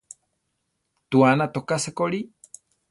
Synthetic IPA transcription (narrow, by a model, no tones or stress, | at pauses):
t̪uanat̪okasekoɾi